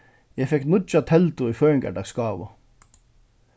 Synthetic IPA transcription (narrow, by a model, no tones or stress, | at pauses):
jæfɛktmʊd̪t͡ʃɑt̪ʰɛlt̪ʊiːføːɪŋɡæ̰ɖɑɡskɑːʋʊ̰